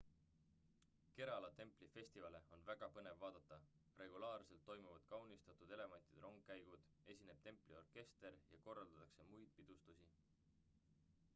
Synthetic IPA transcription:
ke̞ɾɑlɑt̪e̞mplife̞sʲt̪ivɑle̞o̞nvæɡ̥ɑpɤne̞vːɑːd̪̥ɑt̪ˑːɑ | re̞ɡulɑːrse̞lt̪ːo̞jmuvɑd̪̥kɑwnist̪ɑt̪ud̪̥ele̞mɑnʲt̪id̪̥rʔo̞ŋɡ̥kæjɡ̥ud̪̥ | e̞sʲine̞b̥t̪e̞mplio̞rke̞st̪e̞ɾjɑko̞rːɑld̪̥ɑt̪ːɑkse̞mujd̪̥pid̪̥ust̪usi

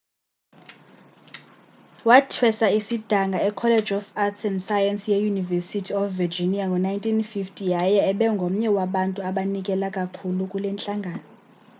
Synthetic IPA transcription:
watʰwɛsaisid̥ʱaŋɡʱaɛkʰɔlɛd͡ʒɔfatsɛndsajansjɛjunivɛsitʰiɔfvɛd͡ʒiniaŋɡʱɔnajntʰʼinfiftʰʼijajaɛɓɛŋɡʱom̩ɲɛwaɓantʼuaɓanikʼɛlakʼakʰulukʼulɛnt͡ɬʼaŋɡʱaːnɔ

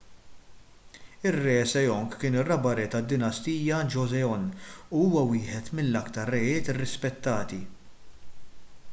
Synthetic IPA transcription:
ɪrːɛːsɛjɔŋkkːɪːnɪrːɐbɐɾɛt̪ɐd̪ːɪnɐst̪iːjɐd͡ʒɔzɛɔnːuuːwɐwɪːħɛt̪mɪnːɐkt̪ɐɾːɛjɪːt̪ɪrːɪspɛt̪ːɐːt̪i

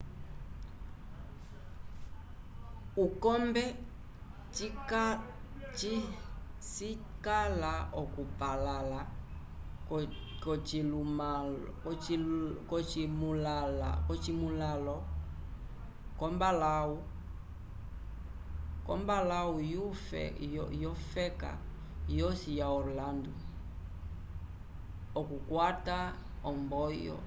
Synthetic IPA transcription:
ukɔmbɛ | t͡ʃikat͡ʃisikalaɔkupalala | kɔt͡ʃima | kɔt͡ʃimulala̰kɔt͡ʃimulalɔ | kɔmbalau | kɔ̰mbalaujufɛ̰jɔfɛka̰ | jɔsijaɔɾlandu | ɔkukwataɔmbɔjɔ̰

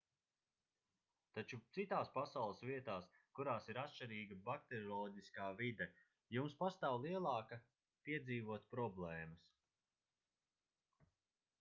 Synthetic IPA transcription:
t̪at͡ʃut̪sit̪aːspasawlˠəsviɛt̪aːs | kuɾaːsiɾat̪ʃt͡ʃiɾiːɡɐbakt̪eɾɔlˠɔɟiskaːvid̪ɛ | jumspast̪aːwlˠiɛlˠɑːkɐ | piɛd̪ziːvuɔt̪pɾɔblˠɛːmɐs

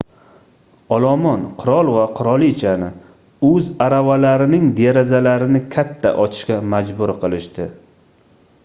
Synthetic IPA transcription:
ɒlˠɒmɒnqʰʊɾɒlˠvaqʰʊɾɒlˠt͡ʃʰanɪ | ɵzaɾavalaɾɪnɪŋd̪eɾazalaɾɪnɪkʲʰat̪ʰːa̰ʔɒt̪ʰɪ̥ʃkʲamad͡ʒbʊɾqʰɨlˠɪʃt̪ɪ

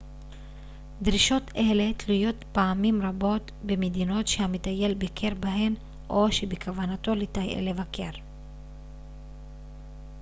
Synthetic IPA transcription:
d̪ʁiʃo̞tʰe̞le̞tlujo̞t̪paamimʁabo̞t̪ | bemed̪ino̞tʃehamit̪aje̞lbikʰeʁbaɦe̞n | ʔoʃebekʰavanat̪o̞lit̪ajʔḛlevakʰe̞ʁ

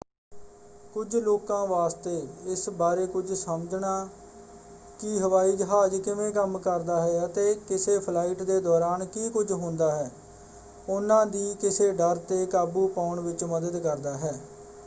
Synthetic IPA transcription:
kʊd͡ʒloːkãːʋaːst̪eːɪsbaːɾeːkʊd͡ʒsəməd͡ʒnaː | kɪɦəʋaːiːd͡ʒəɦaːd͡ʒkɪʋẽːkəmkəɾd̪aːɦɛːət̪eːkɪseːpʰlaːiʈd̪eːd̪ɔːɾaːnkiːkʊd͡ʒɦʊ̃nd̪aːɦɛː | ʊnãːd̪iːkɪseːɖəɾt̪eːkaːbuːpaːʊɳʋɪt͡ʃməd̪əd̪kəɾd̪aːɦɛː

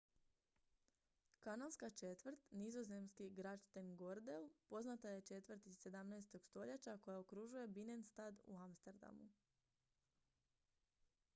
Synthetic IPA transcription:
kanalˠskat͡ʃe̞t̪ʋr̩t̪nizo̞ze̞mskiɡɾat͡ʃt̪enɡo̞ɾd̪elpo̞znat̪aje̞t͡ʃe̞t̪ʋrɾt̪iz̥se̞d̪amnaest̪o̞ɡ̥st̪o̞ʎet͡ɕako̞jaokɾuʒuje̞binenst̪aːd̪ṵamst̪eɾd̪a̰mṵ

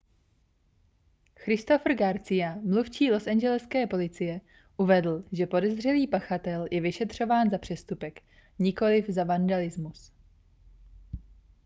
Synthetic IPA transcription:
xɾɪst̪o̞fr̩ɡaɾt͡sɪjamluft͡ʃiːlo̞sɛɲd͡ʒɛlɛskɛːpo̞lɪt͡sɪjɛ | ʔuvɛdl̩ʒɛpo̞dɛzr̝ɛliːpaxat̪ɛljʔɛvɪʃɛt̪r̝̥o̞vaːnzapr̝̥ɛst̪upɛk | ɲɪko̞lɪvzavandalɪzmus

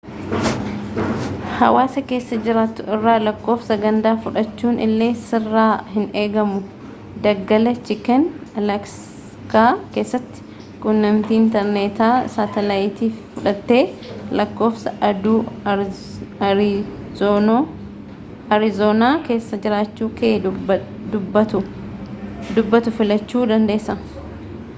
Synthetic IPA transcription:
hɐ̰waːsɐke̞ːsːɐd͡ʒɪɾaːt̪ʊɪrːaːlɐkːo̞ːfsɐɡɐnd̪aːfʊᶑɐt͡ʃːuːnʔɪ̰lːe̞ːsɪrːaːɦɪne̞ːɡɐmʊ | d̪ɐɡːɐlɐt͡ʃɪkɛnɐlɐks | kaːke̞ːsːɐt̪ːɪ̥ | kʼʊnːɐmt̪iːɪnt̪ɛɾneːt̪aːsaːt̪ɛlaːjɪt̪iːffʊᶑɐt̪ːe̞ːlɐkːo̞ːfsɐʔɐd̪uː | o | ɐɾɪzoːnaːke̞ːsːɐd͡ʒɪɾaːt͡ʃːuːkeː | d̪ʊbːɐt̪ʊ | d̪ʊbːɐt̪ʊfɪlɐt͡ʃːuːd̪ɐnd̪e̞ːsːɐ

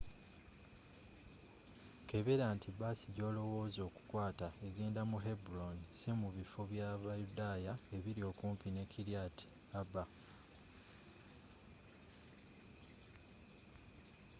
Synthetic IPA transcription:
ke̞βe̞ɾaːntʰiβasiɟo̞ːlo̞wo̞ːzo̞ːku̥kwaːtae̞ɡe̞ːndamuɦe̞buɾonisemuβifo̞βjaβajudajae̞βiɾio̞ːkuːmpine̞kiɾjatʰi̥ | aba

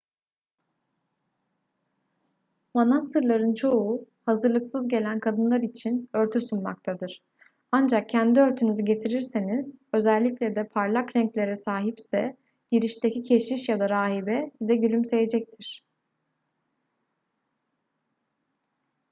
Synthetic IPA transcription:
manast̪ʰɯɾlˠaɾɯnt͡ʃʰo̞u | hazɯɾlˠɯksɯzɟe̞lʲænkʰad̪ɯnlˠaɾit͡ʃʰinø̞ɾt̪ʰysunma̰kt̪ʰad̪ɯɾ̥ | and͡ʒak̚cʰænd̪iø̞ɾt̪ʰynyzyɟe̞t̪ʰiɾiɾseniz̥ø̞zælʲːiclʲɛd̪ɛpʰaɾlˠakɾɛɲclʲe̞ɾɛsaːɦipsɛ | ɟ̥iɾiʃt̪ʰecʰicʰe̞ʃiʃjad̪aɾaːɦibɛsizɛɟylʲymse̞je̞d͡ʒɛc̚t̪ʰiɾ̥

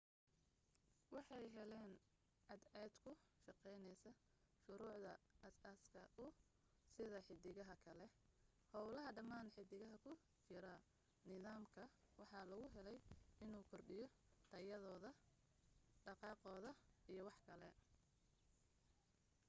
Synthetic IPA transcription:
wɑħɑjɦɛlɛːn | ʕɑd̪ɛːd̪kʰʊʃɑqɛjnɛjsɐ | ʃʊɾuːʕðɐɐsɐskʰɐʔʊ | sɪðɐħɪd̪ɪɣɐɦɐkʰɐlɛ | hɔwlɐɦɐɖɐmaːnħɪd̪ɪɣɐɦɐkʰʊ | t͡ʃɪɾɐ | nɪðaːmkʰɐwɑħɑːlɐɣʊɦɛlɛjɪnuːkʰɔrɖɪjɔ | t̪ʰɐjɐðɔːðɐ | ɖɑqɑːqɔːðɐijɞwɑħkʰɐlɛ

